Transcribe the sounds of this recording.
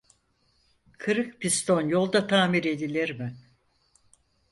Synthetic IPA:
kʰɯɾɯkpʰist̪ʰo̞njo̞lˠd̪at̪ʰaːmiɾe̞d̪ilʲiɾmɪ

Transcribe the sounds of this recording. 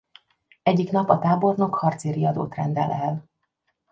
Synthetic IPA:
ɛɟːiknɒpɒt̪aːbo̞rno̞khɒrt̪seːɾiɒd̪o̰ːt̪rɛnd̪ɛ̰lɛl

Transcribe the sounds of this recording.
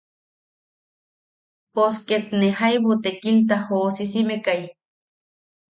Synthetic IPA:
posket̪̚nehajβot̪ekilt̪̬ahoːsisimekaj

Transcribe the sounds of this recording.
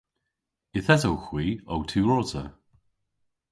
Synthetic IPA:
ɪθɛzowxwiːowtʰʉːɹɔzə̰

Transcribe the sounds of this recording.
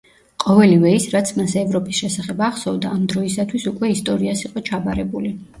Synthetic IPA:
qʼɔvɛlivɛisɾat̪sʰmasɛvɾɔpʼisʃɛsaχɛbaχsɔvd̪aːmd̪ɾɔisat̪ʰwisukʼwɛist̪ʼɔɾiasiqʼɔt͡ʃʰabaɾɛbuli

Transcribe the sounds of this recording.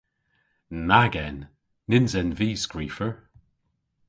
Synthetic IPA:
naɡɛnː | ɪnzɛnviːskɹiːfəɹ

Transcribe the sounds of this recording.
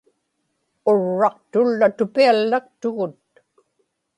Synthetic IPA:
oɻːɑqt̪ʊlːat̪ʊpialːak̚t̪ʊɣʊt̪̚

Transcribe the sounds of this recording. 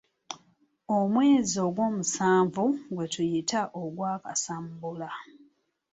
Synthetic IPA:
omwe̞ːzio̞ɡwo̞ːmusaːɱvuɡwe̞tujitaʔoɡwaːkasambula

